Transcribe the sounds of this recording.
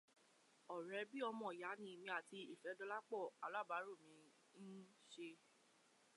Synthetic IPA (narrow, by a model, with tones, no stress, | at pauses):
ɔ˨ɾɛ˨˧bi˦ɔ˧mɔ̃˨ja˨˦nĩ˧˦˧mĩ˧a˨ti˧i˦˨fɛ˨˦dɔ˧la˦k͡pɔ˦˨a˨la˨˦˨ba˨˦ɾo˦˨mĩ˧ | n̩˦ | ʃe˧